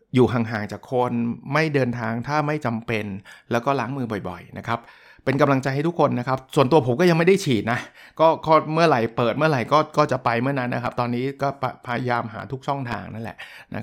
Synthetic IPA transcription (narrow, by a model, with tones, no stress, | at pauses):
juː˨˩ɦaː˨˩ŋɦaː˨˩˦ŋt͡ɕaː˨˩kʰːo˧nma˥˩jdɤː˧nt̪ʰaː˧ŋt̪ʰaː˥˩ma˥˩jt͡ɕa˧mpe˧nlɛː˦˥wkɔː˥˩laː˩˦ŋmɯː˧bɔ˨˩jbɔ̰˨˩jna˦˥kʰa˦˥p̚ː | e˧nka˧mla˧ŋt͡ɕa˧jɦa˥˩t̪ʰu˦˥kʰo˧nːa˦˥kʰp̚su˨˩ənt̪u˧ɐpʰo˩˦mkɔː˥˩ja˧ŋma˥˩jda˥˩jt͡ɕʰiː˨˩t̪̚na˦˥kɔː˥˩kɔː˥˩mɯ˥˩ɐɾa˨˩jpɤː˨˩t̪̚mɯ˥˩ɐɾa˨˩jkɔː˥˩kɔː˥˩t͡ɕa˨˩pa˧jmɯ˥˩ɐna˦˥nːʔa˦˥kʰa˦˥p̚t̪ɔː˧nːiː˦˥kɔː˥˩pʰpʰa˧jjaː˧mɦa̰ː˩˦t̪ʰu˦˥k̚ʰɔ˥˩ŋt̪ʰa̰ː˧ŋna˥˩nlɛ̰˨˩ʔnʔa̰˦˥